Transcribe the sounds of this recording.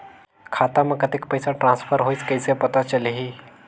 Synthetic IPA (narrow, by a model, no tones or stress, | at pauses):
kʰat̪aməkət̪ekpəjsaʈɾãnsfʰəɾɦoit͡skəjsepət̪at͡ɕəleɦi